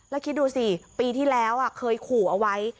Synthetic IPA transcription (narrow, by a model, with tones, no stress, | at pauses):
lɛː˦˥kʰi˦˥t̪̚d̪uː˧si˨˩piː˧t̪ʰiː˥˩lɛː˦˥wʔa˨˩kʰɤː˧jkʰuː˨˩ʔa˧wa˦˥j